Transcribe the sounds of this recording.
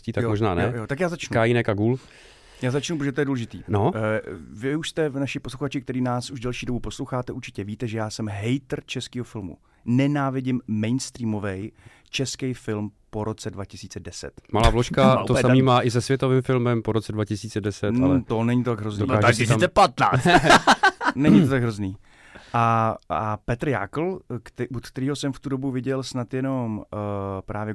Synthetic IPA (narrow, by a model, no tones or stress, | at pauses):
ciːt̪ajmoʒnaːnɛjot̪ak̬jaːzat͡ʃnukaːjinɛkaɡuːl | jaːzat͡ʃnupɾoʒɛt̪ojɛduːlɛʒɪt̪ḭːno | vɪuʃst̪ɛvnaʃɪposluxat͡ʃɪk̚t̪ɛɾiːnaːsuʒdɛlʃiːdobuposlowxaːt̪ɛʔuɾt͡ʃɪ̥cɛviːt̪ɛʒɛjaːsɛmɦɛjt̪ɾt͡ʃɛskiːɦofɪlmṵ | nɛnaːvɪɟɪmːɛjnst̪ɾiːmo̞vɛj | t͡ʃɛskɛjfɪlmpo̞ɾo̞t͡sɛdvacɪsiːt͡sɛdɛsɛ̰t̪malaːvloʃkaosamiːmaːʔɪzɛsvjɛt̪ovɪmfɪlmɛmpoɾot͡sɛdvacɪsiːt͡sɛdɛsɛt̪alɛt̪onɛɲɪt̪ot̪aɡɦɾozniːaaɪsit͡sɛpat̪na̰ː | nɛɲɪt̪ot̪aɡɦɾozniː | ʔaapɛt̪ɾja̰ːkl̩k̪ʔut̪kt̪ɛɾiːɦosɛmft̪udobuvɪɟɛlsnat̪jɛno̞m | pɾaːvjɛ